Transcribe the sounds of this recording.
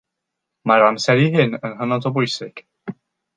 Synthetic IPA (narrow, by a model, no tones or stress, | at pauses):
maɾamsɛɾiɦɪnənɦənɔdɔbʊjsɪɡ̥